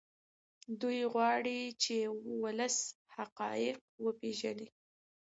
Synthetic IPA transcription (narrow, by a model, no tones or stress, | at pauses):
d̪ujɣwɑɽit͡ʃewʊləshaqɑjɪq̚wəpeʒani